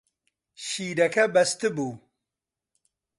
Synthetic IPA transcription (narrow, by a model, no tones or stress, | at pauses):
ɕiːɖɐkɐbɐst̪ɨbu